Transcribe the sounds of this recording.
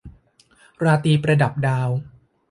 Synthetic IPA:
ɾaː˧t̪iː˧pɾa˧da˨˩p̚daː˧w

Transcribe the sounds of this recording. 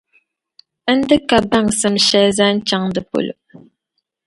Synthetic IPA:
ə˦n̩˦dɨ˦ka˨ba˦˨ŋsə˨mʃɛ˦za˦n̩˦t͡ʃa˦ŋdə˨po̰˨lə̰˨

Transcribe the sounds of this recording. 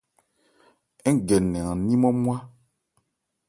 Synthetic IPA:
ɛ˦ŋ˦˨ɡɛ˨nɛ̃˨ã˨nĩ˦mɔ̃˦m˦a˦

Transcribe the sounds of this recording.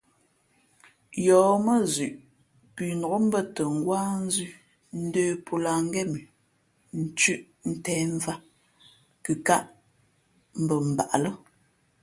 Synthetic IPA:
jɔː˨˦mə˦zʉ˨ʔ | pʉ˨nɔ˨o˦m̩˦bə˦tə˨ŋ̩˨ɡwaː˦n˦zʉ˦ | n̩˦deː˦pʰo˨la˨ŋ˦ɡɛ˦˨mi˨ | n̩˨t͡ʃʉ˦ʔ | n̩˦tɛː˦ɱ˦va˦ | kɨ˨ka˦ʔ | m̩˦bə˨m̩˨ba̰˨ʔlə˦

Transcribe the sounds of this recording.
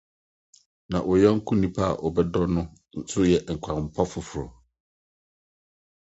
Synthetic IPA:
nã˨ʔɔ˨jɛ˦ŋ̩˦kʰũ˦nĩ˦pʰa˦a̰˨ʔɔ˨bɛ˦dɔ˦nʊ̃˦ | sʊ˦jɛ˨ŋ̩˨kʷʰã˨m̩˨pʰɔ˦fʊ˨fʊ˨ɾɔ̰˨

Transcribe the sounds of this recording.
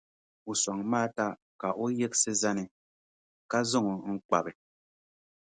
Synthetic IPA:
u˨sa˨ŋmaː˦ta˦ | ka˨ʔo˦je˦k̚se˦za˦ni˨ | ka˦zo˦ŋo˨ŋ̩˦k͡pa̰˨be˨

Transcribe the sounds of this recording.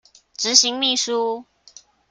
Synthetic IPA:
ʈ͡ʂɻ̩˧˥ɕi˧˥˦ŋmi˥˩ʂu˦

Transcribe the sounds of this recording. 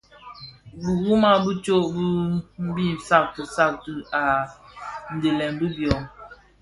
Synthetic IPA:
bu˨ɣu˦ma˦bu˦t͡ʃo˦ʔbu˦m̩˦bi˦˨n˨sa˦˨k̚tə˨sa˦˨k̚tə˨a˨ | n̩˨de˨lɛ˨nbu˦bjɔ˨ŋ

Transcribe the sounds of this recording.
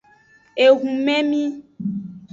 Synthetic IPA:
e˨ɣũ˨mɛ̃˦mĩ˦

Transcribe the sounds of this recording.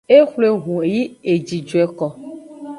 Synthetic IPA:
e˦xle˨ɦũ˨e˨ji˦e˨d͡ʒi˨d͡ʒu˨ɛ˨kɔ˨

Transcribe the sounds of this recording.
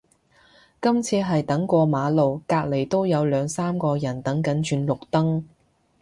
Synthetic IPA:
kɐ˥mt͡sʰiː˧ɦɐ˨jt̪ɐ˨˥ŋkʷɔː˧maː˨˧lo˨wkaː˧k̚le˨˩jt̪o˥wjɐ˨˧wlœː˨˧ŋsaː˥mkɔː˧jɐ˨˩nt̪ɐ˨˥ŋkɐ˨˥nt͡ʃyː˧nlʊ˨k̚t̪ɐ˥ŋ

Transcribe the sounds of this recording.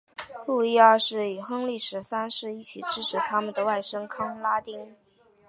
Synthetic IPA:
lu˥˧li˥˧a˞˥˧ʂɻ̩˥˩y˨˩xɤ˥ŋli˥˩ʂɻ̩˨˥sa˥nʂɻ̩˥˧i˥˩t͡ɕʰi˨˩ʈ͡ʂɻ̩˥ʈ͡ʂʰɻ̩˨˩t̪ʰa˥mə˨nd̪ə˩wa˥˩ɪʂɤ˥ŋkʰɑ˥ŋla˥t̪i˥ŋ

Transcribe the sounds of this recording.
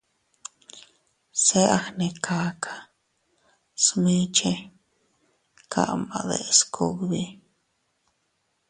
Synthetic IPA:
se˦ʔa˧xne˧kʰa˧kʰḁ˨ | smi˦t͡ʃe˦ | kʰa̰˦˨ʔma̰˨d̪ḛ˨skʰo˦ɡbi˦

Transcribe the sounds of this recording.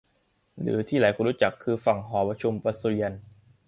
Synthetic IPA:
ɾɯ̰ː˩˦t̪ʰiː˥˩laː˩˦jkʰuː˧nɾu˦˥t͡ɕa˨˩kʰːɯː˧fa˨˩ŋɦɔː˩˦pɾa˧t͡ɕʰu˧mpɾa˧su˧li˧ən

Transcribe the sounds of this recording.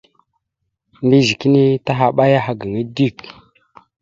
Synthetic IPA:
ndi˦zi˨ki˦ni˦ta˦ɦa˨ɓa˦ja˦ɦa˨ɡə˨ŋi˦di˦˨k

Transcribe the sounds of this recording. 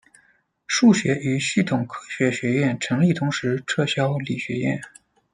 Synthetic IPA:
ʂu˥˩ɕɥɛ˧˥ʔy˧˥ɕy˥˩t̪ʰʊ˨˩ŋkʰɤ˥ɕɥɛ˧˥ɕɥɛ˧˥jɛ˥˩nʈ͡ʂʰɤ˧˥ŋli˥˩t̪ʰʊ˧˥ŋʂɻ̩˧˥ʈ͡ʂʰɤ˥˧ɕjɑ˥ʊli˨˩ɕɥɛ˧˥jɛ̰˥˩n

